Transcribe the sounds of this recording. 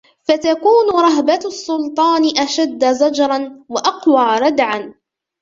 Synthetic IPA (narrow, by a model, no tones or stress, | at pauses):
fat̪akuːnʊɾˤɑɦbasːʊlt̪ˤɑːnɪʔaʃad̪ːazad͡ʒɾˤɑnwaʔɑqwaːɾˤɑd̪ʕan